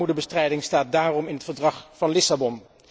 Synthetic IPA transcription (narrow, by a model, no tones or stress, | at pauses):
udəbəstrɛjdɪŋstaːt̚daːrɔmɪnɦətfəɹdrɑχfɑnlɪsabɔn